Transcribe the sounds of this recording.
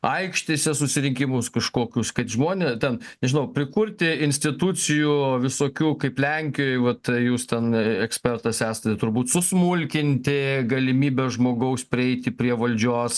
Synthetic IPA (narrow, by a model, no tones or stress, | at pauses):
ɐɪkʃʲt̪ʲesʲɛsʊsʲɪɾʲɪŋʲkʲɪmʊskɐʃkoːkʲʊskɐt̪ʒmoɔnʲet̪ʲɛnnʲɛʒʲɪnɐʊpʲɾʲɪkʊɾʲt̪ʲɪɪnʲsʲt̪ʲɪt̪ut͡s̪ʲɪjuʋʲɪsoːkʲuːkɐɪplʲɛŋʲkʲɪjjʋɐt̪juːst̪ʲɛnɛksʲpʲɛrt̪ɐsæːsɐt̪ʲɛt̪ʊrbuːt̪sʊsmulʲkʲɪnʲt̪ʲɪɡɐlʲɪmʲiːbʲɛʒmoːɡɐʊspʲɾʲɪɛɪt̪ʲɪpʲɾʲiɛʋɐlʲd͡ʒʲoːs